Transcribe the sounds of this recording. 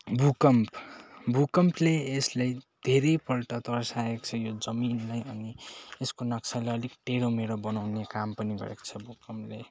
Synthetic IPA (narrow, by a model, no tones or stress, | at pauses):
bʱukʌmpbʱukʌmpleːslajd̪ʱeɾejpʌlʈʌt̪ʌrsaekt͡sʰʌjod͡zʌminlajʌnieskonʌksʰaleʌlikʈeɽomeɾobʌnawnekampʌniɡʌ̰ɾḛko̥t͡sʰʌbʱukʌmple